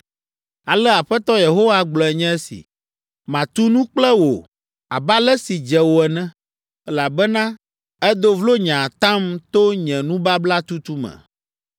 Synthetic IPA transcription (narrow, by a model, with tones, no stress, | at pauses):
a˨lɛ˦a˨ɸɛ˦t̪ɔ˦je˨ɦo˦wa˦ɡ͡blɔ˨ɛ˨ɲɛ̃˦ɛ˦sḭ˨ | mã˨t̪u˦nũ˦k͡plɛ˦wo˨ | a̰˨ba˦lɛ˦si˨d͡ʒɛ˨wo˨ɛ˨nɛ̃˦ | ɛ˦la˨bɛ˦nã˦ | ɛ˦d̪o˦vlo˦ɲã˨t̪ã˦mt̪o˦ɲɛ̃˨nũ˦ba˦bla˦t̪u˦t̪u˦mɛ̰̃˨